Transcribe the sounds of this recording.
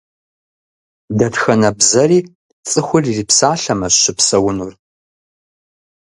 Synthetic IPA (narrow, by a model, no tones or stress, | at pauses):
dɐtxɐnɐbzɐriː | t͡sʼɨxʷʊriripsaːɬɐmɐɕɪpsɐwʊnur